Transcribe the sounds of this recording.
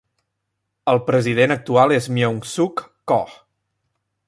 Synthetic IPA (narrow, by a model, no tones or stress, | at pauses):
əlˠpɾəzið̞enək̚t̪ualˠezmjoŋsukː | ɔ